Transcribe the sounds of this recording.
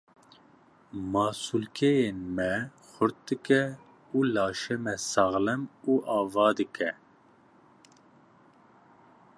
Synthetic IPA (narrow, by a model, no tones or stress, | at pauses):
mɑːsulkʰɛjeːnmɛ | xʷʊɾt̪̚d̪ɨkɛ | uːlɑːʃɛmɛsɑːɣlɛmuːʔɑːvɑːd̪ɨkʰɛ